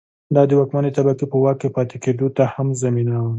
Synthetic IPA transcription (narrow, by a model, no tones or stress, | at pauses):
d̪ɑd̪əwɑkmanet̪abakipəwɑkepɑt̪eked̪ot̪ahamzaminawə